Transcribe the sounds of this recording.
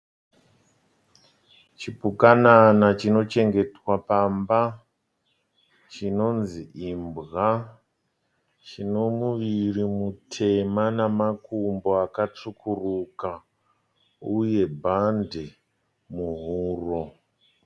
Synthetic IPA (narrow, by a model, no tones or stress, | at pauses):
t͡ʃipukananat͡ʃino̞t͡ʃe̞ŋɡe̞twapamba | t͡ʃino̞nziimbɣa | t͡ʃino̞muʋirimutʰe̞manamakumbo̞akat͡ʂukʰuruka | uje̞bʱande | muɦuːro